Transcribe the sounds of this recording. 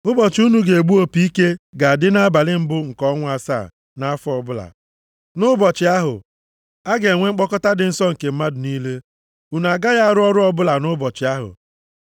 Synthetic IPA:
ʊ˦bɔ˨t͡ʃɪ˨u˦nu˨ɡe˨e˨ɡ͡bu˦o˦˨pi˦i˦ke˦ɡa˨a˨dɪ˦na˦a˦ba˨lɪ˦m̩˦bʊ˦ŋ̩˨kɔ˦ŋʷʊ˦a˦˨sa̰˦˨ | na˦a˦fɔ˨bʊ˦la̰˨ | nʊ˦bɔ˨t͡ʃɪ˨˦a˦ɦʊ̰˨ | a˦ɡe˨ŋʷe˦ŋ͡m̩˦k͡pɔ˦kɔ˦ta˦dɪ˨n̩˦sɔ˦ŋ̩˨ke˨m̩˦ma˦dʊ˨niː˦le˦ | u˨n˨a˨ɡa˦ɣa˦a˦˨ɾʊ˦ɔ˦ɾʊ˦ɔ˦bʊ˦la˨nʊ˦bɔ˨t͡ʃɪ˨a˦ɦʊ̰˨

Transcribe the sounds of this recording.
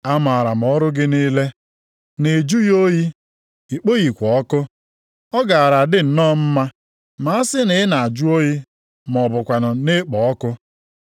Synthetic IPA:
a˦ma˨a˨ɾa˨m˨ɔ˦ɾʊ˦ɡɪ˦niː˦le˦ | ne˨d͡ʒu˦jo˦ji˦ | i˨k͡po˦ɣi˨kʷɔ˨ɔ˦kʊ˦ | ɔ˦ɡa˨a˨ɾa˨dɪ˦n̩˨nɔː˦m̩˦ma˦ | ma˨a˦sɪ˦ne˨˦ɪ˦na˨a˨d͡ʒu˦o˦ji˦ | mɔ˨bʊ˨kʷa˨nʊ˨ne˦k͡pɔ˨ɔ˦kʊ˦

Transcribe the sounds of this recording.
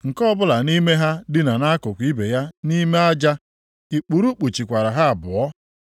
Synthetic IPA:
ŋ̩˨kɔ˦bʊ˦la˨ni˦me˦ɦa˦dɪ˦na˨na˦kʊ˨kʷi˦be˨ja˦ni˦me˦a˦d͡ʒa˦ | i˨k͡pu˨ɾu˦k͡pu˨t͡ʃi˨kʷa˨ɾa˨ɦa˦a˨bʊ˨ɔ˦

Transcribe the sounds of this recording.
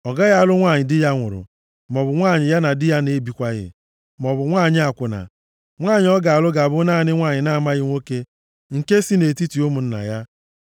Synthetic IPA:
ɔ˨ɡa˦ɣa˦a˨lʊ˦ŋʷa˦˨ɲɪ˨dɪ˦ja˦ŋʷʊ̰˨ɾʊ̰˨ | mɔ˨bʊ˨ŋʷa˦˨ɲɪ˨ja˦na˨dɪ˦ja˦ne˨˦bi˨kʷa˦ɣɪ̰˨ | mɔ˨bʊ˨ŋʷa˦˨ɲɪ˦a˨kʷʊ˨na̰˨ | ŋʷaː˦˨ɲɪ˨˦ɔ˦ɡa˨a˨lʊ˦ɡa˨a˨bʊ˦na˦˨nɪ˦ŋʷa˦˨ɲɪ˨na˦˨ma˦ɣɪ˦ŋʷo˦ke˦ | ŋ̩˨ke˦si˦ne˨ti˦ti˨o˦mʊ˨n̩˦na̰˨ja˦

